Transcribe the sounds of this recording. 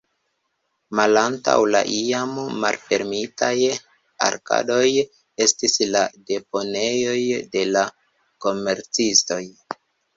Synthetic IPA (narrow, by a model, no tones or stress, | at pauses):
malanta̰wla̰ʔiamːa̰lfe̞ɾmitaj | a̰ɾka̰do̞j | e̞stislade̞po̞ne̞jo̞jde̞la | ko̞me̞ɾt͡sisto̞j